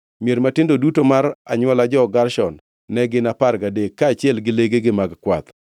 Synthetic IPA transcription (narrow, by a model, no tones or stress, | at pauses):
mjeɾmatɪndodutomaɾa̰ɲwɔlad͡ʒɔɡarʃɔnː | ɛɡɪnaparɡadekːaːt͡ʃɪɛlɡɪleɡeɡɪmaɡkwat̪